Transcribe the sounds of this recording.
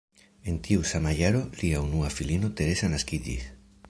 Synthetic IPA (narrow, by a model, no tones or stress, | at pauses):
e̞ntiusamajaɾo̞liaunuafilino̞t̪e̞ɾe̞sanaskid͡ʒḭs